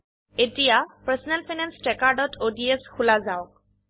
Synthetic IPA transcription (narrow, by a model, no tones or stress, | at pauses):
etijapasɔnɛlpʰinanstɹɛkaɹdɔtʰodieskʰulazaɔk̚